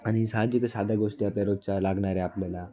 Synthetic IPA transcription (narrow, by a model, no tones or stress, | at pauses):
añisad͡ʑiksad̪ʱaɡoʂʈiapljaɾod͡zt͡ɕalaɡɳaɾɛaplala